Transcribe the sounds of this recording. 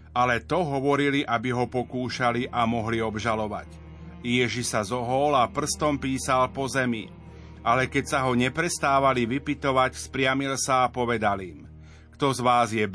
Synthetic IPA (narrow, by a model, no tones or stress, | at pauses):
alɛt̪ɔɦɔʋɔɾiliʔabiɦɔpɔkuːʃaliʔamɔɦliɔbʒalɔʋa̰ɟ | jɛʒiʃsazɔɦɔlapr̩st̪ɔmpiːsalpɔzɛmḭ | ʔalɛkɛcsaɦɔɲɛpɾɛst̪aːʋaliʋipit̪ɔʋacspɾɪamilsaːpɔʋɛd̪alim | kt̪ɔzʋaːzjɛb